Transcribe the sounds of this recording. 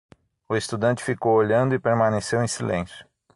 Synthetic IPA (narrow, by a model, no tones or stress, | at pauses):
ʊest̪ud̪ɐ̃nt͡ʃɪ̥fikowoʎɐ̃nd̪ʊipeɾmɐ̃nesewẽj̃silḛ̃sjʊ̥